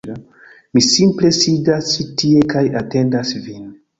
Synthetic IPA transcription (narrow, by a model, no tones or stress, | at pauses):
misimple̞sidastie̞kajate̞ndasvin